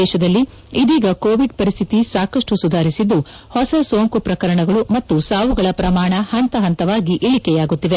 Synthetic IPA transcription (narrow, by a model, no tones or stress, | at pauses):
ɛːʃɐd̪ɐlːi | id̪iːɡɐkoːʋiɖpɐɾist̪ʰit̪isaːkɐʂʈusud̪ʱaːɾisid̪ːu | hɔsɐsoːŋkupɾɐkɐɾɐɳɐɡɐɭumɐt̪ːusaːʋuɡɐɭɐpɾɐmaːɳɐhɐnt̪ɐɦɐnt̪ɐʋaːɡiʔeɭikɛjaːɡut̪ːiʋe̞